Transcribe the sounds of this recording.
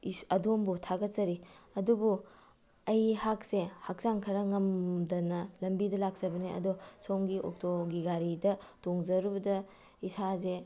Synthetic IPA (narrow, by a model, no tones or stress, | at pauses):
ɐdombutʰaɡɐt̚zɐɾiɐdubu | ɐjhak̚sehak̚zaŋkʰɐɾɐŋɐmdɐnɐlɐmbidɐlak̚zɐbɐniɐ̰dosoŋɡiʔok̚tʰoɡiɡaɾidɐtoŋzɐɾubɐdɐ | isaze